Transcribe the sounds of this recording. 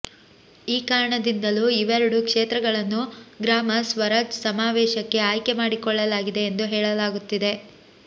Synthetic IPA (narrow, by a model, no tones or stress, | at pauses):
iːkaːɾɐɳɐd̪ind̪ɐluiʋɛɾɐɽukʂeːt̪ɾɐɡɐɭɐnːuɡɾaːmɐsʋɐɾɐd͡ʒsɐmaːʋɛːʃɐkːe̞aːjkemaːɽikɔɭːɐlaːɡid̪e̞ːnd̪uɦɛːɭɐlaːɡut̪ːid̪e̞